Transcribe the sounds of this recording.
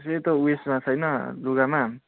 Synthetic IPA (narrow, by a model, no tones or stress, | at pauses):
s̬et̪ʌuesmat͡sʰʌjnʌluɡama